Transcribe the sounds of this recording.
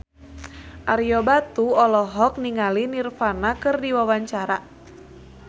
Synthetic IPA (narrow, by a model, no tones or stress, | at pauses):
ʔaɾjɔbat̪uɔlɔɦɔk̚niŋalinirfanakɨrdiwawaɲt͡ʃaɾa